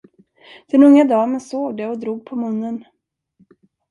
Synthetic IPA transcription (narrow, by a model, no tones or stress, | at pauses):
d̪̥ɛnɵŋːad̪ɑːmɛnsoːɡd̪ɛɔd̪ɾuːɡ̚pʰɔmɵnːən